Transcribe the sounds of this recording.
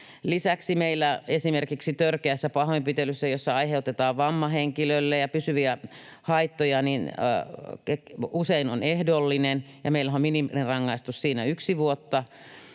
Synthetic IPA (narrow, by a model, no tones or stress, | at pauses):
lisæksimeilːˑæesimerkiksit̪ørkeæsːæpɑhoimpit̪elysːæjosːɑɑiheut̪et̪ɑːʋʋɑmːɑheŋkiløilːejɑpysyʋiæ | hɑit̪ːojɑnin̰ | ekuseinonehdolːinenjɑmeilːæomminimlerɑŋːɑist̪ussiːnæyksiʋuot̪ːɑ